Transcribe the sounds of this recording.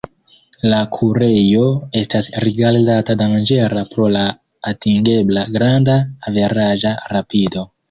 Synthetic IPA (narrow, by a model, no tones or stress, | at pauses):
lakʰuɾe̞jo̞e̞stasɾiɡalzatadamand͡ʒe̞ɾapɾo̞laː | tiŋɡe̞blaɡɾandaːve̞ɾaʒaɾapido̞